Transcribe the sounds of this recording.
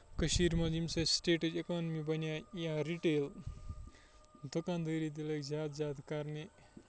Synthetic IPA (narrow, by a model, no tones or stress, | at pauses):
kəɕiːɾmad͡ʑimsesʈeʈəd͡ʒekɔnmibɐnjajãɾiʈel | d̪okãnd̪əɾid̪ilekzaːt̪zad̪kaɾne